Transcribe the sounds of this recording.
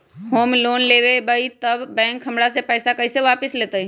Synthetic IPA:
hoːmloːnlebebəit̪əbːɛ̃ːŋkɦəmɽasepəɪsakəiseʋapɪslet̪əi

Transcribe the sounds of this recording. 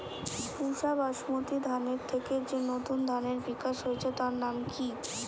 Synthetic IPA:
puʃabaʃmot̪id̪ʱaneɾt̪ʰeked͡ʑenot̪und̪ʱaneɾbikaʃɦoet͡ɕʰet̪aɾnamki

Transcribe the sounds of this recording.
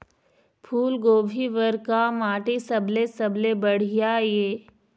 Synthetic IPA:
pʰuːlɡoːbʱiʋəɾkamaːʈisɐblesɐblebəɽ̤ɪjajeː

